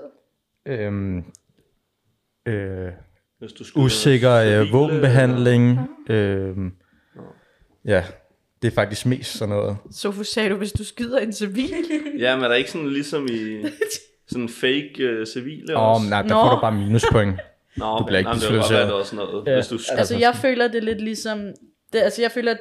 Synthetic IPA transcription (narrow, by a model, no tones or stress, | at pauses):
øm | ø | esd̥ususe̝ɡ̥ɐʋɔ̰̽ːb̥m̩b̥e̝ɦæn̰le̝ŋʔø | jæ | d̥e̝æɐfɑ̈ɡ̥̚d̥isɡ̥̚me̝̰ːsd̥sɒ̽nːɔːð̩ˠsɒfsɛɾuʋe̝sd̥usɡ̥ið̞̰ˠɐe̝nsiʋḭːljæmend̥ɑe̝ɡ̥əsɔnlisɒmi | sɔnfeɪɡ̥øsiʋḭːləɒnːɑ̈ɪnd̥ɑɡɔ̰ɾub̥ɑ̈ːminuspʰɔeŋ | dub̥leɐeɡislsḛsnɔːð̩ˠjæesd̥uælsəjɑɪfø̰ːlɐd̥e̝le̝d̥lisɒ̽m | d̥e̝ælsəjɑ̈ɪfø̰ːlɐ